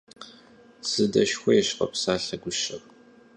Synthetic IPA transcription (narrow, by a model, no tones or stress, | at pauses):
sɨdɐʃxʷɔjɛɕqɐ̰psaːɬɐɡʷʊʃɐr